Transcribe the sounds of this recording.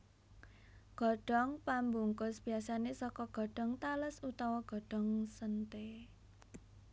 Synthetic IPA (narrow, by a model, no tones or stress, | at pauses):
ɡ̥ɔ̤ɖ̥ɔ̤ŋpambuŋkʊsb̥iasanesɔkɔɡ̥ɔ̤ɖ̥ɔ̤ŋt̪aləsut̪ɔwɔɡ̥ɔ̤ɖ̥ɔ̤ŋsənt̪e